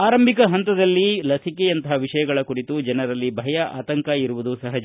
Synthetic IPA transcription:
aːɾɐmbʱikɐɦɐnt̪ɐd̪ɐlːilɐsikeɐnt̪ɐɦɐʋiʂɐjɐɡɐɭɐkuɽit̪ud͡ʒɐnɐɾɐlːibʱɐjɐʔa̰ːt̪ɐŋkɐiɾuʋud̪usɐɦɐd͡ʒ

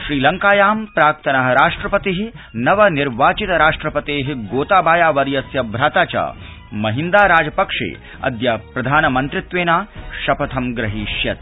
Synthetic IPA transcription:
ʃɾiːlɐŋkaːjaːmpɾaːk̚t̪ɐnɐɦɐɾaːʂʈɾɐpɐt̪iɦi | nɐʋɐniɾʋaːt͡ʃit̪ɐɾaːʂʈɾɐpɐt̪eːɦiɡoːt̪aːbaːjaːʋɐɾjɐsjɐbʱɾaːt̪aːt͡ʃɐ̰ː | mɐɦind̪aːɾaːd͡ʒɐpɐkʂḛː | ɐ̰d̪jɐpɾɐd̪ʱaːnɐmɐnt̪ɾɪt̪ʋeːnaːʃɐpɐt̪ʰɐmɡɾɐɦiʃjɐt̪

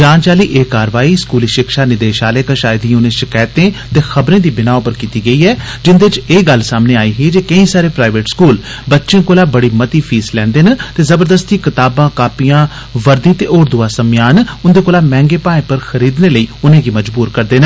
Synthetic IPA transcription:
d͡ʒãːnt͡ʃaːliːʔeːkaːɾʋaːiːskuːliːʃɪkʃaːnɪd̪eːʃaːleːkəʃaːɪd̪iunẽʃɪkaːt̪ẽːt̪eːxəbɾẽːd̪iːbɪnaːopəɾkiːt̪iːɡəiːɛːd͡ʒɪnd̪eːɪt͡ʃeːɡəlsaːmneːaːiːɦiːd͡ʒeːkəĩːsaːɾeːpɾaːɪʋeːʈskuːl | bətːʃẽːkoːlaːbəɽiːmət̪iːpʰiːslɛ̃ːnd̪eːnə̃t̪eːzəbəɾd̪əst̪iːkɪt̪aːbãːkaːpijãː | ʋəɾd̪iːt̪eːʔoːɾd̪ʊaːsəmjaːnʊnd̪eːkoːlaːmɛ̃ːŋɡeːpaːẽːpəɾxəɾiːd̪neːləiːʊnẽːɡiːməd͡ʒbuːɾkəɾd̪eːnə

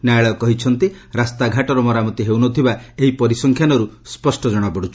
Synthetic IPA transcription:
najɭɔkɔɦit͡ʃʰɔnt̪iɾast̪aɡʱaʈɔɾɔmɔɾamɔt̪iɦewnɔt̪ʰibaeɦipɔɾisɔŋkʰjanɔɾuspɔsʈɔd͡ʒɔɽ̃ɔpɔɽut͡ʃʰɔ̥

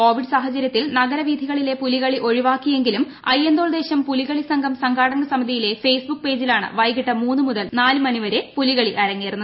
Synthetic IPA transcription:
ko̞ːʋiɖsaːɦɐt͡ɕɐɾjɐt̪ːilnɐɣɐɾɐʋiːd̪ʱiɣɐɭile̞puliɣɐɭiʔo̞ɻiʋaːkːije̞ŋɡilum | ɐ̰jːend̪oːld̪e̞ːɕɐmpuliɣɐɭisɐŋɡʱɐmsɐŋɡʱaːɽɐŋɡɐsɐmɐd̪ʱijile̞fe̞ːsbuk̚pe̞ːd͡ʑilaːɳɨ̰ʋɐjɣiʈːɐmuːnːɨmuðɐlnaːlumɐniʋɐɾe̞puliɣɐɭiʔɐɾɐŋːeːrunːɐð

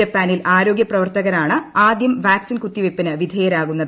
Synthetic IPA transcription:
ɐpːaːnilaːɾo̞ːɡjɐprɐʋɐrt̪ɐɣɐɾaːɳɨaːd̪jɐmʋaːksinkut̪ːiʋepːinɨʋid̪ʱeːjɐɾaːɣunːɐðɨ

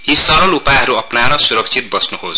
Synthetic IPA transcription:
ɦisʌɾʌlupaɦʌɾuʌpnaɾʌsuɾʌk̚t͡sʰit̪̚bʌsnuɦos

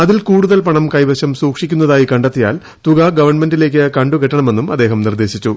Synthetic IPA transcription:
ɐðilkuːɽuðɐlpɐɳɐmkɐjbɐɕɐmsuːkʂikʲːunːɐðaːjikɐɳɖɐt̪ːija̰ːl | t̪uɣɐɡɐʋɐrɳme̞ndile̞ːk̬ʲːɨkɐɳɖuɣɐʈːɐɳɐme̞nːumɐ̰d̪ːe̞ːɦɐmnird̪e̞ːɕit͡ɕːu

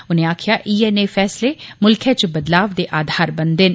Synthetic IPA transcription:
ʊnẽːaːkʰɪjaːʔiːɛːneːfʰɛːsleːmʊlkʰẽːt͡ʃbəd̪laːʋd̪eːʔaːd̪ʱaːɾbənd̪ɪn

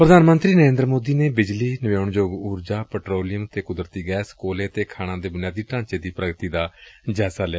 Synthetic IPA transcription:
pɾəd̪ʱaːnmənt̪ɾiːnəɾẽːnd̪ɾəmoːd̪iːneːbɪd͡ʒliːnəʋeːʊɳd͡ʒoːɡuːɾd͡ʒaːpɛːʈɾoːlɪjəmt̪eːkʊd̪ɾət̪iːɡɛːskoːleːt̪eːkʰaːɽ̃ãːd̪eːbʊnjaːd̪iːʈãːɲt͡ʃeːd̪iːpɾəɡt̪iːd̪aːd͡ʒɛːsaːlɪaː

